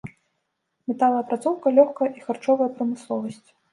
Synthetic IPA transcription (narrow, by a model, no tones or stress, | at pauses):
mʲɛt̪alˠɐjɐpɾat̪sɔwkɐlʲɔxkɐjɐʔixart͡ʂɔvɐjɐpɾɐmɨslˠɔvɐsʲt͡sʲ